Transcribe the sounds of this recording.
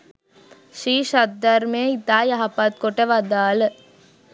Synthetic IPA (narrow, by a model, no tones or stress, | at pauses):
ʂiːʃɐd̪ɐɾmeːit̪ːaːjɐɦɐpːat̪̚kɔʈːɐʋɐd̪aːlɯ